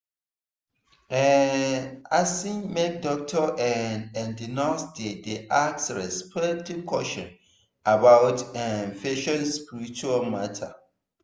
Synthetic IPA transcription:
ɛ | asĩnmek̚dɔk̚tʰɔʔɛnɛ̃ndinasdedeʔaksɹɛspʰɛk̚tʰiv̥kʰɔʃɔ̃n | abawtɛnfeʃɔ̃nspiɾit͡ʃualmatʰa̰

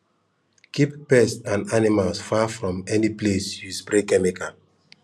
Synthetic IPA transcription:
kipːɛstãnanimalsfafɹɔ̃mɛniplesjusbɹekɛmika

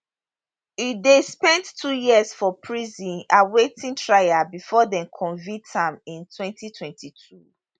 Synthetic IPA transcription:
idespɛ̃ntːʰujiəsfɔpʰɹizĩnawetʰĩntʰɹajabifɔdɛ̃mkʰɔ̃nvitãmĩntwɛ̃ntitʰwɛ̃ntʰitʰu

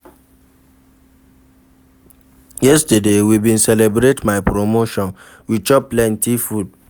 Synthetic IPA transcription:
jɛstədewibĩnsɛlebɾetmaɪpɾomoʃɔ̃n | wit͡ʃɔpːlɛ̃ntifud̚

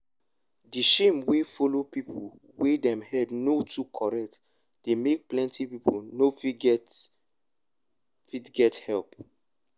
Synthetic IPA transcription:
diʃẽmwefɔlopipʰol | wedɛ̃mhɛdnotʰukʰɔɹɛk̚t | d̥emek̚plɛ̃ntipiponofɡ | fitɡɛthɛlp

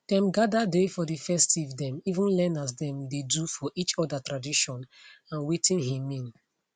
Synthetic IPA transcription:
d̥ɛ̃mɡadadefɔdifɛstivdɛ̃mivĩnlɛnasdɛ̃mdedufɔʔit͡ʃɔdatɹadiʃɔ̃nãnwitĩnɦĩmĩn

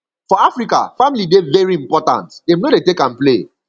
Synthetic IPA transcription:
fɔafɹika̰familidevɛɹiĩmpɔtã̰ntdemnodetekãnple

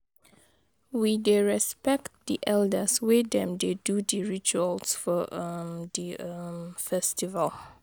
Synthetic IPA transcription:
wideɹɛspɛktdiʔɛldəswɪdɛ̃mdedudiɹit͡ʃuəlsfɔʔʌmdiəmfɛstivəl

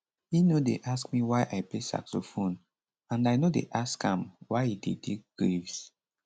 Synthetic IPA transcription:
hinodeʔaskmiwajʔajplesa̰ksofõn | ãnaɪnodḛʔaskã̰mwajidḛtʰek̚ɡ̥ɹevs

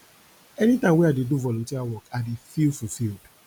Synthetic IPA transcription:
ɛnitãmwɛadeduvɔlɔ̃ntiɾawɔkadefilfufild

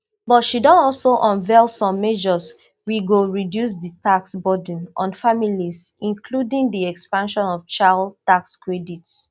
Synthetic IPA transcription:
bɔtʃidɔ̃nɔlsoʔɔ̃nvɛlsɔ̃mːɛʒɔs | wiɡoɹidjus̬ditaksbɔd̃nʔɔ̃nfamilisĩnkʰludĩŋdiɛkspãnʃɔ̃nɔv̥t͡ʃaltakskɹɛdits

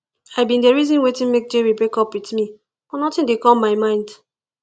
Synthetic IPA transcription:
ajbĩndeɹizĩnwetĩnmek̚d͡ʒeɹibɹekɔpwitmi | fɔnɔtĩndekɔmmaɪmãɪ̃nd

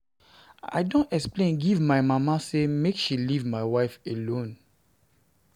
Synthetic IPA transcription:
a̰ɪdõntɛksplẽnɡivmaɪmamasemekʃilivmaɪwaɪfelõn

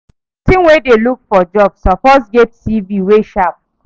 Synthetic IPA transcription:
tĩmwedelukfɔd͡ʒɔbsɔpɔsɡɛttiviweʃap̚

